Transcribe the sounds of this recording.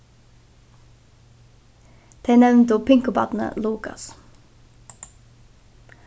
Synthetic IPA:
d̪̥eæːnɛʋnt̪uːpʰɪŋkʊbɑ̰ːt̪n̩ə̰luːkɑ̰s

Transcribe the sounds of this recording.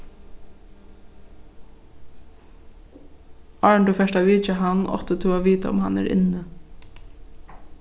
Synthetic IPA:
ɑɹɳt̪ufɛʂtaʋiːt͡ʃaɦanːʔɔ̰ht̪ət̪ʰuaʋiːt̪a̰ʊ̰mhanæ̰ɾɪ̰nːə

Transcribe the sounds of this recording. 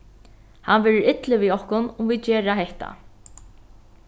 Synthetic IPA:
hanʋɛːɾɪɾɪt̪lɪʋiɔhkʊnʊmvit͡ʃeːɾaɦɛht̪a̰

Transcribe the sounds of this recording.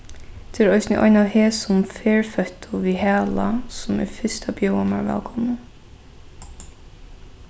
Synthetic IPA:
t̪ʰeːɾɔɪsnɪʔɔ̰ʏnaheːsʊmfeːɹfœht̪ʰʊʋiːɦæːlasʊmɛ̰fɪst̪abjɔʊwama̰ɹʋɛ̰ːlkʰɔːmnə

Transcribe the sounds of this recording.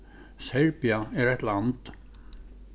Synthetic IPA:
sɛɹpiaɛɾɛht̪lant̪

